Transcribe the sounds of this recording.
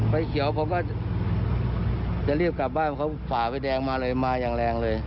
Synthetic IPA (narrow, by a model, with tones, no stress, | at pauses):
pa˧jkʰi˨˩˦əwpʰɔ˧˥kɔː˥˩ | t͡ɕa˨˩ʔli˥˩əp̚ka˨˩p̚baː˥˩nʰɔ˧˩kʰwfaː˨˩pa˧˩jdɛː˧ŋmaː˧lɤː˧jmaː˧jaː˨˩ŋlɛː˧ŋlɤː˧j